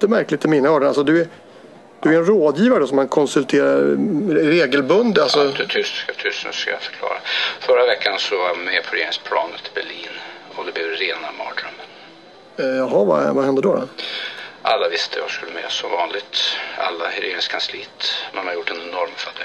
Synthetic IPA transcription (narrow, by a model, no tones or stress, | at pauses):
t̪ɛmæɾklɪt̪ɪmiːnːaɔːɖənalsɔd̪ɵæɾ | d̪̥ɵæɾɛnɾoːd̪jiːvaɾəɖɔsɔmkankʰɔnsɵlt̪ʰeːɾaɾɾeːɡəlbɵnd̪alsɔt̪ʰʏst̪t̪ʰʏsskajafœ̥ɾkʰlɑ̰ːɾafœɾavɛkːansɔvaɾmmɛpʰɔɾeːnɪŋspʰlɑ̰ːnət̪ʰːɪbɛɭiːnɔd̪ɛblɛːvɾeːnamɑ̰ːd̪ɾœm | jɑɦɑva̰vahɛnd̪əɖɔd̪ɔ̰ | ʔalːavɪst̪ʰəvaskɵlːəmɛ̰ːsɔmvɑːnlɪɡt̪a̰lːahɛɾenskʰansliːt̪mɛnhaɾjʊʈːɛnɛnɔɾmfœd̪ə